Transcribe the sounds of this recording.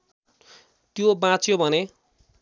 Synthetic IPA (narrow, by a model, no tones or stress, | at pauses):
t̪jobãt͡sʰjobʱʌne